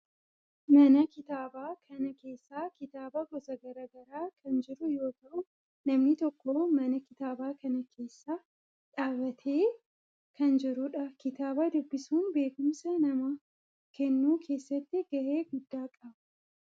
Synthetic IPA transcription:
mɐnɐkɪt̪aːbaːkʰɐnɐke̞ːsːaːkɪt̪aːbɐɡɔsɐɡɐɾaɡɐɾaːkʰɐnd͡ʒɪɾʊjo̞ːt̪ɐʔʊ | nɐmnɪt̪ɔkːoːmɐnɐkɪt̪aːbaːkɐnɐkʰe̞ːsːaː | ᶑaːbɐt̪ʰe̞ː | kʰɐnd͡ʒɪɾʊᶑɐkɪt̪aːbad̪ʊbːɪsuːnbe̞ːkʊmsɐnɐmɐ | kɛnːuːkʰe̞ːsːɐt̪ːɪɡ̥ɐʔeːɡʊd̪ːaːkʼɐbɐ̥

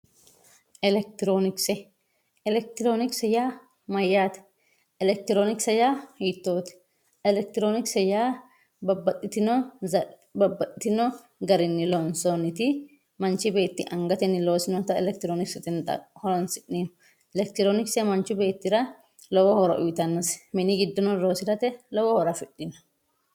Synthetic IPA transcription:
ʔɛlɛk̚t̪ɪɾoːnɪksɛ | ɛlɛk̚t̪ɪɾoːnɪksɛjaː | mɐjːaːt̪ɛ̥ | ʔɛlɛk̚t̪ɪɾoːnɪksɐjaːhiːt̪ːoːt̪ɛ̥ | ɛlɛk̚t̪ɪɾoːnɪksɛjaː | ɐbɐt̪ʼːɪt̪ɪnɔɐ | bɐbɐt̪ʼːɪt̪ɪnɔ | ɡɐɾɪnːɪlonsonɪt̪ɪ | mɐnt͡ʃːɪbe̞ːt̪ːɪʔɐŋɡɐt̪ɛnɪlo̞ːsɪnɔt̪ɐɛlɛkt̪ɪɾoːnɪksɪt̪ɪnɐ̰hɔɾɔnsɪʔːiːnɔ̥ | ɛlɛkt̪ɪɾoːnɪksɛmɐnt͡ʃːʊbe̞ːt̪ːɪɾɐ | lɔwɔhɔɾɐ̰ʔʊjt̪ɐnːɐsmɪnɪɡɪd̪ːɔnɔnlo̞ːsɪɾɐt̪ɛlɔwɔhɔɾɐfɪɗːɪnɐ̥

